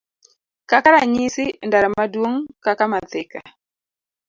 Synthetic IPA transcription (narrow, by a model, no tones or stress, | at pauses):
kakaɾaɲisindaɾamaduoŋkakamaθika̰